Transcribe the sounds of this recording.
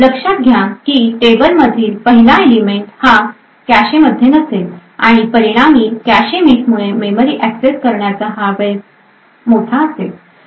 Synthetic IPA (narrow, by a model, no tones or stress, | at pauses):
ləkʂat̪̚ɡʱjãkiːʈebəlməd̪ʱiːlpəɦilaelimeɳʈhã | kaɕeməd̪ʱjenəsela̰ɽ̃ipəɾiɽ̃amiːkæɕemiʈmuɭememəɾiːʔækseskəɾɳjat͡saɦaɾʋe | moʈʰaəsel